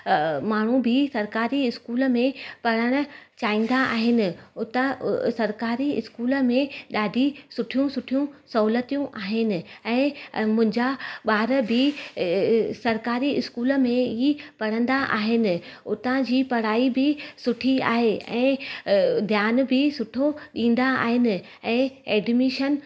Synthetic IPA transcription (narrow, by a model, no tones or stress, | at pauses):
maːɳ̤ubɪsɐɾkaːɾiɪskuːlə̆mẽpɐɽ̤əɽ̃ʊ̆t͡ɕaːĩːn̆d̪aʔa̰ːɦɪnɪ̆ʊt̪asɐɾkaːɾiɪ̰skuːlə̆mẽɗaːɖʱisʊʈʰijũsʊʈʰijũsɐɦuːlət̪ijũʔaːɦɪnɪ̆ɛ̃ːmʊ̃ɦɪ̃ɲd͡ʑaɓaːɾəbʱɪ | sɐɾkaːɾiɪskuːlə̆mẽipɐɽ̤ə̃nd̪aʔa̰ːɦɪnɪ̆ʊt̪ãd͡ʑiːpɐɽ̤aːibɪsʊʈʰia̰ːɦeɛ̰̃ː | d̪ʱjaːn̆bʱɪsʊʈʰoɗĩːn̆d̪aa̰ːɦɪnɪ̆ | ɛ̃ːeːɖmiːʃən